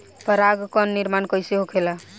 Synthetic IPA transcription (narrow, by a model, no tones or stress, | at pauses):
pəɾaɡkɔnːiɾmankəjseɦokʰela